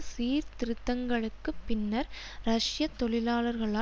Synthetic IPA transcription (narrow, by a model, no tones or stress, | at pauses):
siːɾt̪ɪɾɯt̪ːɐŋɡɐɭɯkːɯpːɪnːɐɾ | ɾɐʂjɐt̪ːɔɭɪlaːlɐɾɣɐɭaː